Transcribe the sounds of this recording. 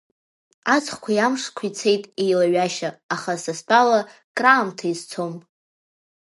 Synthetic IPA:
at͡sʰʼχkʷʰajamʂkʷʰit͡sʰe̞jtʼejlaɥaʃaːχasaspʼala | kʼraːmtʰaizt͡sʰom

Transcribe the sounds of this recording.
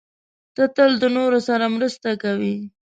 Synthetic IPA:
t̪ət̪əld̪ənoɾosaɾamɾəst̪akawi

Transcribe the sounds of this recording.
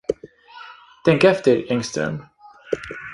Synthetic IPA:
t̪ʰɛŋkɛft̪əɾɛŋst̪œ̰m

